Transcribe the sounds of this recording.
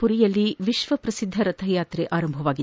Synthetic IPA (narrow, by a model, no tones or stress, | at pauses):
uɾijɐlːiʋiʃʋɐpɾɐsid̪ʱːɐɾɐt̪ʰɐjaːt̪ɾeʔaːɾɐmbʱɐʋaːɡi